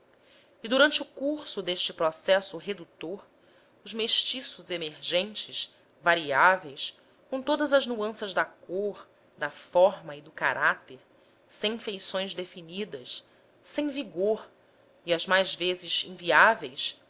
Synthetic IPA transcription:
ɪd̪uɾɐ̃nt͡ʃɪukuɾsʊd̪eʃt͡ʃɪpɾɔsɛsʊɦed̪ut̪oɾ | ʊzmeʃt͡ʃisʊzemeɾʒẽnt͡ʃɪs | vaɾiavejs | kõw̃t̪od̪ɐzɐznuɐ̃sɐzd̪ɐkoɾ | d̪ɐfɔɾmɐid̪ʊkaɾat̪eɾ | sẽj̃ĩfejsõj̃zd̪efinid̪ɐs | sẽj̃viɡoɾ | iɐzmajzvezɪzḭ̃viavejs

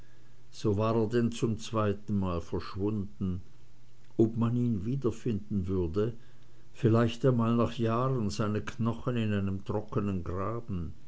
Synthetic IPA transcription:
z̥oːvaːʁeːɐdɛnt͡sʊmt͡sv̥aɪtn̩maːlfɛɐʃv̥ʊndn̩ | ʔɔpmaniːnviːdɐfɪndn̩vʏɐdə | fɪlaɪçtanmaːlnaːχjaːʁənzaɪnəkʰnɔχənɪnaɪnəmtʁ̥ɔkənənɡʁaːbn̩

